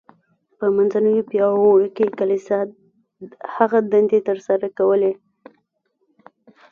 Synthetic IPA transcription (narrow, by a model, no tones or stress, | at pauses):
pəmanzanəwipjɑwoɽkekalisa | haɣad̪and̪et̪əɾsaɾakawəle